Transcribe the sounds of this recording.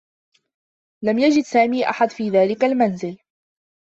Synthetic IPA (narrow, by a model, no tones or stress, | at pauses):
lamjad͡ʒɪd̪saːmiːʔa̰ħad̪fiːðaːlɪkalmanzɪl